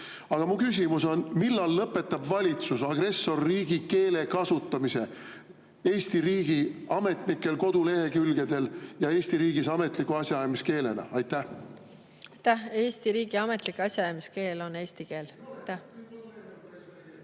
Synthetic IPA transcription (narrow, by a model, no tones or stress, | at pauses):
ɑɡ̥ɑmukys̬ʲimuso̞nmilːɑlːɤpːˑe̞t̪ːˑɑbvɑlʲit̪susɑɡɾe̞sːo̞rːiːɡ̥ike̞ːle̞kɑsut̪ːˑɑmise̞ | e̞ːsʲt̪iɾiːɡ̥iɑme̞t̪ˑnikːˑe̞lko̞d̪̥ule̞hekylɡ̥e̞d̪̥e̞ljɑe̞ːst̪iɾiːɡisɑme̞t̪ˑlikːˑuɑsʲjɑɑjɑmiske̞ːle̞nɑ̰ɑjt̪ːæh | t̪æheːst̪iɾiːɡ̥iɑme̞t̪likɑsʲjɑɑjɑmiske̞ːlo̞ne̞ːst̪ike̞ːlt̪ːæ